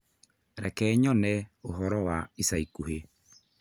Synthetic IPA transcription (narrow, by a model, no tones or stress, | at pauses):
ɾɛkɛɲɔnɛoɦɔɾɔwaisaikuhe